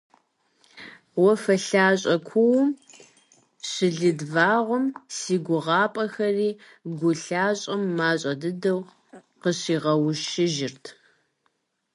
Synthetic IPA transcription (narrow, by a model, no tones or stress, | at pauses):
wɔfɐɬaːɕʼɐkʷʰʊwʊm | ɕɪɮɨdvaːʁʷʊmsiːɡʷʊʁɑːpʼɐxɐriː | ɡʷʊɬaːɕʼɐmːaːɕʼɐdɨdɐw | qəɕiːʁɐwʊʃɪʒɪrtʰ